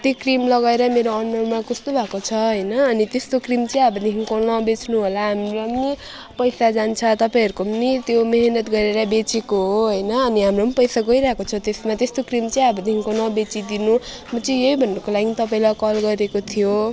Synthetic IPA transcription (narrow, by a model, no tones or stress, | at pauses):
t̪ekrimlʌɡaeɾʌmeɾoʌnːʌmakʌst̪obʱakot͡sʰʌɦʌjnʌːnit̪est̪okrimt͡sʌj̃abʱʌniɦiŋkonʌbet͡snuɦolaɦamromni | pʌjsad͡zant͡sʰʌt̪ʌpaĩɦʌɾukonit̪jomeɦnʌt̪ɡʌɾeɾʌbet͡sekoɦoɦʌjnʌːniɦamronpʌjsaɡʌiɾaɦekot͡sʰʌt̪esmat̪est̪okrimt͡sʌĩabʱʌniɦiŋkonʌbet͡sid̪inu | mʌt͡sʌ̃jeibʱʌnːʌkolaɡint̪ʌp̬aĩlakʌlɡʌɾekot̪ʰijo